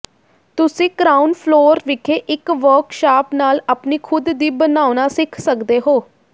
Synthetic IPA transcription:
t̪ʊsĩːkɾaːʊnpʰloːɾʋɪkʰeːʔɪkʋəːɾkʃaːpnaːləpniːkʰʊd̪ːiːbənaːʊnaːsɪkʰsəkd̪eːɦoː

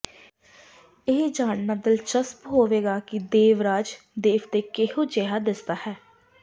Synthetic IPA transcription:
ɪɦd͡ʒaːɳnaːd̪ɪlt͡ʃəspɦoːʋeːɡaːkɪd̪eːʋɾaːd͡ʒ | d̪eːʋt̪eːkɪɦõːt͡ʃeɦaːd̪ɪst̪aːhɛː

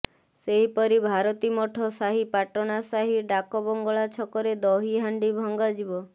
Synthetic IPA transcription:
seɦipɔɾibʱaɾɔt̪imoʈʰɔsaɦipaʈɔnasaɦiɖakɔbɔŋɡɔɭat͡ʃʰɔkɔɾed̪ɔɦiɦaɳɖibʱɔŋɡad͡ʒibɔ

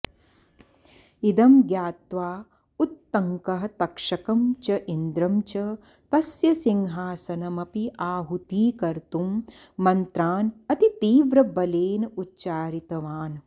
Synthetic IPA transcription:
id̪ɐmɡjaːt̪ʋaː | ut̪ːɐŋkɐɦɐt̪ɐkʂɐkɐmt͡ʃɐʔind̪ɾɐmt͡ʃɐ | t̪ɐsjɐsiŋɦaːsɐnɐmɐpiʔaːɦut̪iːkɐɾt̪umː | ɐnt̪ɾaːnɐt̪it̪iːʋɾɐbɐleːnɐutːt͡ʃaːɾit̪ɐʋaːn

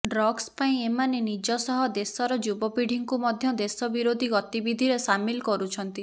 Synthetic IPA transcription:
ɖɾɔɡspaĩemanenid͡ʒɔsɔɦɔd̪esɔɾɔd͡ʒubɔpiɽ̤ʱiŋkumɔd̪ʱjɔd̪esɔbiɾod̪ʱiɡɔt̪ibid̪ʱiɾesamilkɔɾut͡ʃʰɔnt̪i

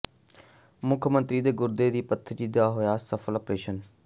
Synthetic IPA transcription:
mʊkʰmə̃nt̪ɾiːd̪eːɡʊɾd̪eːd̪iːpət̪ʰːəd͡ʒiːd̪aːɦojaːsəfʰəlɔpɾeːʃən

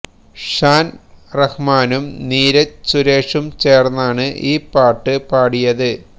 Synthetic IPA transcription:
ʂaːnrɐhmaːnumniːɾɐt͡ɕuɾeːʂumt͡ɕeːrnːɐaːɳɨʔiːpːaːʈːɨpaːɽijɐðɨ

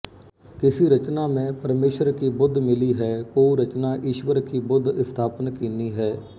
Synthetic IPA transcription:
kɪsiːɾət͡ʃnaːmɛ̃ːpəɾmeːʃəɾkiːbʊd̪ʱmɪliːɦɛːkoːiɾət͡ʃnaːʔiːʃʋəɾkiːbʊd̪ɪst̪ʰaːpənkiːniːɦɛː

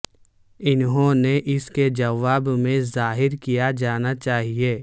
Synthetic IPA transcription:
ɪnɦõneʔɪsked͡ʒɐʋaːbmẽzaːɦɪɾkijad͡ʒaːnat͡ʃaːɦieː

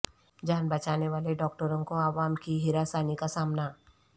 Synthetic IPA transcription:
d͡ʒaːnbɐt͡ʃaːneʋaːleɖɔːk̚ʈəɾõkoaːʋaːmkiɦɪɾasaːnikasaːmna

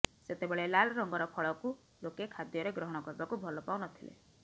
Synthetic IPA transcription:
set̪ebɔɭelalɔɾɔŋɡɔɾɔpʰɔɭɔku | lokekʰad̪jɔɾeɡɾɔɦɔɽ̃ɔkɔɾibakubʱɔlɔpawnɔt̪ʰilḛ

